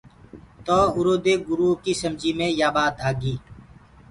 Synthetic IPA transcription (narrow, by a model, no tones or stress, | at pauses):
t̪oːʊɾoːd̪eːɡʊɾuːɦkiːsəmd͡ʒiːmẽːjaːbaːd̪aːɡiː